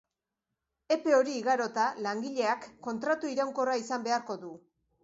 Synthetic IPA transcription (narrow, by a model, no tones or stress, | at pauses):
e̞pe̞o̞ɾiːɣaɾo̞t̪alaŋɡiʎe̞akːo̞nt̪ɾat̪uiɾawŋko̞raisambe̞aɾko̞ðu